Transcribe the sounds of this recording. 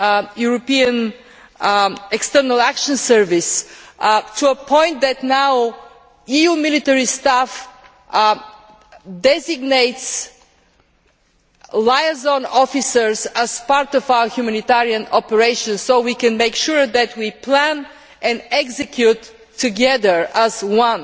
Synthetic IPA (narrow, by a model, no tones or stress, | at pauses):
juɹɔpiə̃n | ɛkstɜɹnəlˠækʃə̃nsɜɹvɪs | tʰuəpʰɔ̃ɪ̃nt̪̚ðɨtnaʊ | ijumɪlit̪ɛɹist̪af | dɛzɪɡneɪts | laɪəzɔ̃nɔfisəɹzəz̥paɹt̪ɔvaʊə˞hjumænit̪ɛɹiə̃nɔpəɹeɪʃə̃nsoʊwikɛ̃nmeɪkʃʊɹðætwipʰlæ̃n | ɛ̃nɛksɨkʰjutʰː | ɨɡɛðə˞əzwʌ̃n